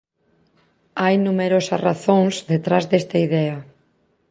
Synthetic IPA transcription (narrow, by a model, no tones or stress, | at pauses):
ajnumeɾosɐraθoŋzðet̪ɾazðest̪ɐiðɛɐ